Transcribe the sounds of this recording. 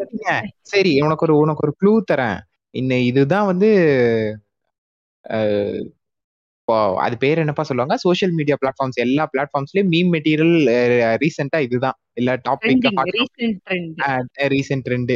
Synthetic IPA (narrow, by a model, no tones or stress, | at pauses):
sɐɾiŋɡɐsɐɾiɔnɐkːɔɾɯʊnɐkːɔɾɯkɭuːt̪ɐɾɛ̰̃ | ɪnːɐɪðɯt̪ãːʋɐnd̪ɯ | ɪpːo̰ːɐ̰ðɯpeːɾɛnːɐpːaːsɔlːɯʋaːŋɡɐsoːʃɐlmiːɽijaːplaːʈ̚faːɾmsɛlːaːplaːʈ̚faːɾmslej̃miːmːɛʈiːɾɪjɐlɾiːsɐɳʈaːɪðɯðãː | ɛlːaːʈaːpɪkːaːisɐɾɛɳɖɾiːsɐɳʈɾɛɳɖɯ